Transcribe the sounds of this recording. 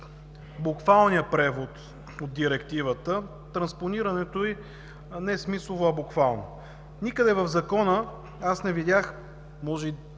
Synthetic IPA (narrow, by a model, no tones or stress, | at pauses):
bʊkvalˠnijəpɾɛvot̪ | od̪̚d̪iɾɛkt̪ivət̪ə | t̪ɾɐnsponiɾɐnɛt̪oi | nɛɛsmisˠovoɐbokvalˠno | nikəd̪ɛvəvzɐkɔnə | asnɛvidʲjax | mɔʒɛi